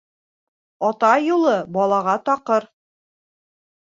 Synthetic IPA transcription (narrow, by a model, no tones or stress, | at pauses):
ɒt̪ɑjulˠɤbɒlˠɑʁɑt̪ɑqɤɾ